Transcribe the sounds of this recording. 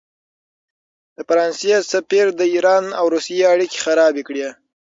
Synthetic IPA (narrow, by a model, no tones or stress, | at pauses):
d̪̥əfaɾɑnsjesapiɾd̪əiɾɑnawɾusijeaɽike̥xaɾɑbekɽje